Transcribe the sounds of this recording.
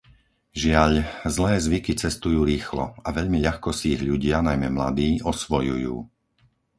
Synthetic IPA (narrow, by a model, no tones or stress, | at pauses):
ʒɪaʎzlɛːzʋikit͡sɛst̪ujuːɾiːxlɔ̰aʋɛʎmiʎaxkɔsiːɣʎuɟɪanajmɛmla̰d̪iːɔsʋɔjujṵː